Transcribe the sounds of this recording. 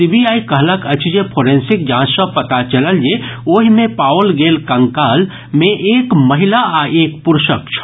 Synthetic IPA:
sibiaːikəɦləkət͡ʃʰid͡ʒepʰoːɾẽːnsɪk̚d͡ʒãːsə̃pɐt̪at͡ʃələljeoːɦimẽpaːʋəlɡeːlkɐ̃ŋkaːl | mẽʔeːkmɐɦɪlaʔaʔeːk̚pʊɾʃək̚t͡ʃʰ

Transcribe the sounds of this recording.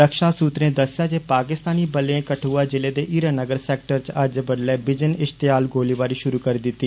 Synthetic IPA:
ɾəkʃaːsuːt̪ɾẽːd̪əsːjaːd͡ʒeːpaːkɪst̪aːniːbəleẽːkəʈʰuːaːd͡ʒɪleːd̪eːʔiːɾaːnəɡəɾsɛːk̚ʈəɾt͡ʃəd͡ʒbəɽlɛːbɪd͡ʒənɪʃt̪ɪjaːlɡoːliːʋaːɾiːʃʊɾuːkəɾiːd̪ɪt̪ːiː

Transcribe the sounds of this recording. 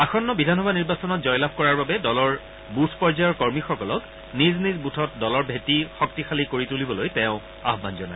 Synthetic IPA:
axɔnːɔbidʱanxɔbʱaniɹbasɔnɔt̚zɔjlab̚ʱkɔɹaɹbabɛdɔlɔɹ | butʰpɔɹzajɔɹkɔɹmixɔkɔlɔk | niznizbutʰɔt̚dɔlɔɹbʱetixɔk̚tixalikoɹitulibɔlojtɛʊ̃ | a̰ɦbanzɔna̰j

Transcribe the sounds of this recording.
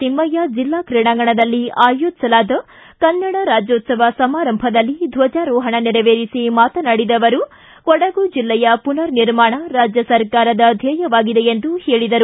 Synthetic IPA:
t̪imːɐjad͡ʒilːaːkɾiɳaːŋɡɐɳɐd̪ɐlːiaːjoːt̪sɐlaːd̪ɐ | kɐnːɐɽɐɾaːd͡ʒjoːt̪sɐʋɐsɐmaːɾɐmbʱɐd̪ɐlːid̪ʱʋɐd͡ʒaːɾɔːɦɐɳɐniɾɐʋeːɾisimaːt̪ɐnaːɽid̪ɐʋɐɾu | kɔɽɐɡud͡ʒilːɛjɐpunɐɾniɾmaːɳɐɾaːd͡ʒjɐsɐɾkaːɾɐd̪ɐd̪ʱɛːjɐʋaːɡid̪e̞end̪uhe̞ːɭid̪ɐɾu

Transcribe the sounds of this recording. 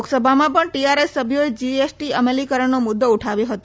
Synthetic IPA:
oksəbʱamãpəɳʈiaɾesːəbʱjoed͡ʒiesʈiəmelikəɾəɳnomʊd̪ːouʈʰaʋjoɦət̪o

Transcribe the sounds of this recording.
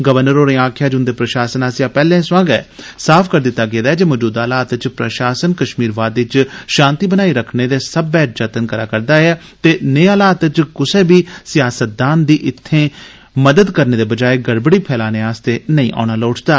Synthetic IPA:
ɡəʋəɾnəɾoːɾẽːaːkʰjaːd͡ʒʊ̃nd̪eːpɾəʃaːsənaːsjaːpɛːlẽːsʊãːɡɛ̰ːsaːpʰkəɾd̪ɪt̪ːaːɡeːd̪aːɛːd͡ʒeːmɔːd͡ʒuːd̪aːlaːt̪t͡ʃpɾə̰ʃaːsənkəʃmiːɾʋaːd̪ɪt͡ʃʃãːnt̪iːbənaːiːɾəkʰneːd̪eːsəbːɛːʈ̚d͡ʒət̪ənkəɾaːkəɾd̪aːɛː | t̪eːneːaːlaːt̪t͡ʃkʊseːbiːsɪjaːsət̪̚d̪aːnd̪iːʔɪt̪ʰːẽː | məd̪əd̪kəɾneːd̪eːbəd͡ʒaːeːɡəɽbəɽiːpʰɛːlaːneːaːst̪eːnəĩːʔa̰ːñaːloːʈʰd̪aː

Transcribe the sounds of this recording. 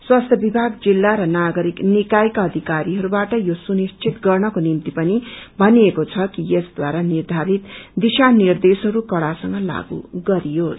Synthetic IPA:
swast̪ʰjʌbibʱaɡd͡zilːaɾʌnaɡʌɾiknikajkʌʌd̪ʱikaɾiɦʌɾubaʈʌjosunist͡sʰit̪ɡʌrnʌkonimt̪ipʌnibʱʌniekot͡sʰʌkijesd̪waɾanird̪ʱaɾit̪d̪isanird̪esɦʌɾukʌɽasʌŋɡʌla̰ɡṵɡʌɾijos

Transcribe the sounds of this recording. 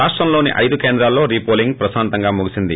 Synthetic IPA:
aːʂʈɾɐmlo̞ːnḭʔɐ̰jd̪ukeːnd̪ɾaːlːo̞ːɾiːpoːliŋɡpɾɐsaːnt̪ɐŋɡaːmuɡusind̪i

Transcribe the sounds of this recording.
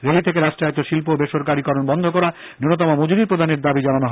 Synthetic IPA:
ɾelit̪ʰek̬eɾaʃʈaet̪oʃilpobeʃoɾkaɾikɔɾonbɔnd̪ʱokɔɾa | nɾonot̪̬ɔmamod͡ʑiɾiɾpɾod̪ʱaneɾd̪abid͡ʑananoɦ

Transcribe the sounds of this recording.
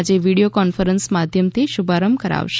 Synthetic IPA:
d͡ʒeʋiɽijokɔnfəɾənsmad̪ʱjəmt̪ʰiʃubʱaɾəmkəɾa̰ʋʃ

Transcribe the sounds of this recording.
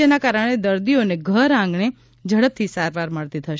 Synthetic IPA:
enakaɾəɽ̃ed̪əɾd̪ioneɡʱəɾãŋɡɳ̃e | d͡ʒəɽəp̚t̪ʰisaɾʋaɾməɭt̪it̪ʰəʃ

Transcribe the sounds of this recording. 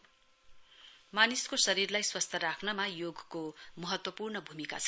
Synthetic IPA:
maniskosʌɾirlajswʌst̪ʰʌɾakʰnʌmajoɡkomʌɦʌt̪wʌpurnʌbʱumika̰t͡sʰʌ

